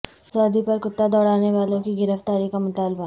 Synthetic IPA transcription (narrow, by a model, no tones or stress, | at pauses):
sɔːd̪ʱipɐɾkʊt̪ːad̪ɔːɽaːneʋaːlõkiɡɪɾəft̪aːɾikamʊt̪aːlba